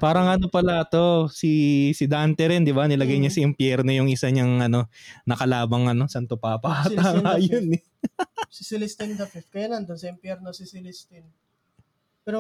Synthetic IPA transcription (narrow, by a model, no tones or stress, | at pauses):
paːɾɐŋʔɐno̞pɐlɐʔɐt̪o̞sisɪd̪ant̪ɛɾɛnd̪ɪbanɪlɐɡɐjɲɐsɐʔɪmpjɛɾno̞jʊŋɪsaɲɐŋɐno̞nɐkɐlaːbɐŋɐno̞sɐnt̪ʊpaːpaːt̪aŋajon | sɪsɪlɪst̪ɪnd̪ɐfɪf̚kɐjanɐɐnd̪onsɐɪmpjɛɾnosɪsɪlɪst̪ɪn | pɛːɾo